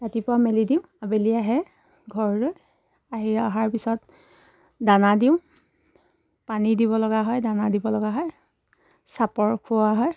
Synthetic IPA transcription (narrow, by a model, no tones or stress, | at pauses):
tatipʊɹamelidiʊ̃abeliaɦɛ | ɡʱɔɹɹoj | aɦiaɦaɹpisɔt | danadiʊ̃ | panidiβɔlɔɡaɦɔjdanadibɔlɔɡaɦɔj | sapɔɹkʰʊwaɦɔj